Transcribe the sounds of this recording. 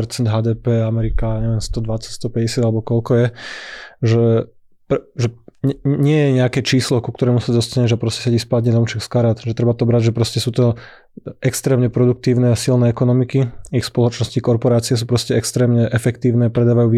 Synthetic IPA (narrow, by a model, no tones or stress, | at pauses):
ɛɾt͡sɛnd̪ɦaːd̪ɛːpɛːamɛɾikaɲɛʋiɛmst̪ɔd̪ʋat͡sḁcst̪ɔpɛɟɛsɪad̪alɛbɔkɔlkɔjɛ | ʒɛ | pɛʒɛɲɛɲɪɛjɛɲɛakɛːt͡ʃiːslɔkuk̚t̪ɔɾɛːmusad̪ɔst̪aɲɛʒɛpɾɔscɛsaɟisplad̪ɲɛd̪ɔmt͡ʃɛkskaɾat̪ʒɛt̪ɾɛbat̪ɔbɾaɟʒɛpɾɔscɛsuːt̪ɔ | ɛkst̪ɾɛːmɲɛpɾɔd̪uk̚t̪iːʊnɛsilnɛɛkɔnɔmikiixspɔlɔt͡ʃnɔscikɔɾpɔɾaːt͡siɛs̬uːpɾɔscɛɛkst̪ɾɛːmɲɛʔɛfɛkt̪iːʊnɛːpɾɛd̪aːʋajuːʋi